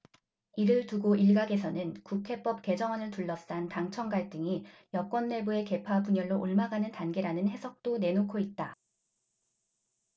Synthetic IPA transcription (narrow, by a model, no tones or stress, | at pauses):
iɾɯɭtuɡoʔiɭɡaɡe̞sʰʌnɯnkukʰe̞p͈ʌp̚k͈e̞d͡ʑʌŋɦʌnɯɭtuɭːʌs͈antaŋt͡ɕʰʌŋɡaɭt͈ɯŋijʌk͈wʌnːe̞bue̞ke̞pʰapuɲʌɭːoʔoɭmaɡanɯntanɡe̞ɾanɯnhe̞sʰʌk̚t͈one̞nokʰoit̚t͈a